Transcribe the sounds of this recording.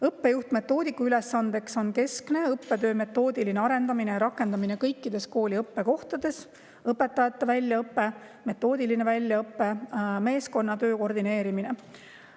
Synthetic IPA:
ɤpːe̞juht̪me̞t̪ːˑo̞ːd̪ikːuyle̞sːɑnd̪̥e̞kso̞nke̞skne̞ɤpːe̞t̪ø̞ːme̞t̪ːˑo̞ːd̪iline̞ɑɾe̞nd̪ɑminejɾɑkːˑe̞nd̪ɑmine̞kɤjkːid̪̥e̞sko̞ːlʲiɤpːe̞ko̞ht̪ɑd̪̥e̞s | ɤpːˑe̞t̪ːˑɑjɑt̪ːˑɑvælʲːjɑɤpːe̞ | me̞t̪ːˑo̞ːd̪iline̞vælʲːjɑɤpːe̞me̞ːsko̞nːɑt̪ø̞ːko̞rd̪ineːɾimine̞

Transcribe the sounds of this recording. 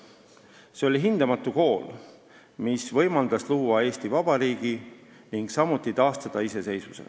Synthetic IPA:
seo̞liɦind̪ɑmɑt̪ːˑuko̞ːl | misvɤ̞jmɑld̪ɑsluːɑe̞ːst̪ivɑb̥ɑɾiːɡ̥i | niŋɡ̥sɑmut̪ˑːit̪ɑːst̪ɑd̪̥ɑise̞se̞jsvusel̰

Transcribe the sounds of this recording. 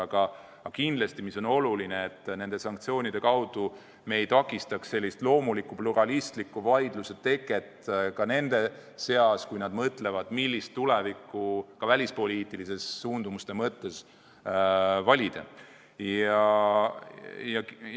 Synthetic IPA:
ɑɡɑ | ɑkind̪lest̪imiso̞no̞lulineːt̪ːne̞nd̪̥e̞sɑŋk̚t̪sio̞ːnʲid̪̥e̞kɑwd̪̥u | me̞j̪ɑkːˑist̪ɑksse̞lʲːist̪lo̞ːmulikːˑupluɾɑlist̪likːuvɑjd̪̥luse̞t̪e̞kːˑe̞t̪kɑne̞nd̪̥e̞se̞ɑskujnɑd̪̥mɤt̪ˑle̞vɑd̪̥milʲːist̪ːulevikːˑukɑvælʲispo̞liːt̪ːˑilise̞sːuːnd̪umust̪e̞mɤt̪ːe̞s | vɑlʲid̪̥ḛ | ɑ | jɑ

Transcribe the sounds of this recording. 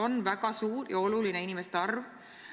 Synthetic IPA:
o̞nvæɡɑsuːrjɑo̞luline̞inimest̪ɑrv

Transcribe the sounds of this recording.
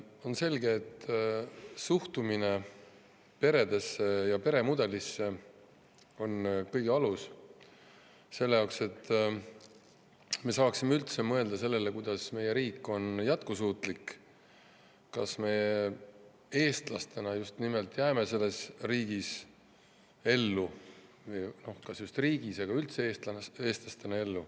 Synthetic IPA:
o̞nse̞lɡeːt̪ː | suht̪umine̞ | pe̞ɾe̞d̪̥e̞sːejɑpe̞ɾe̞mud̪̥e̞lisːe̞ | o̞nkɤjɡeɑlus | se̞lːe̞jɑokse̞t̪ːˑ | me̞sɑːksimeylt̪se̞mɤ̞e̞ld̪̥ɑse̞lːe̞le̞kujd̪̥ɑsme̞jeɾiːkːo̞njæt̪kusuːt̪ˑlikː | kɑsme̞ | e̞ːst̪lɑ̰st̪e̞nɑjust̪nimelt̪ːˑjæːme̞se̞lːe̞sriːɡ̥is | e̞lːuvɤjno̞hkɑsjust̪riːɡiseɡ̥ɑylt̪seeːst̪le̞ːst̪lɑst̪e̞nɑe̞lːu

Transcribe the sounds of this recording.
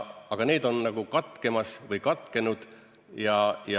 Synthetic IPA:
ɑɡ̥ɑne̞ːd̪o̞nnɑɡ̥ukɑt̪ke̞mɑsvɤjkɑt̪ˑke̞nud̪̥ | jɑjɑ

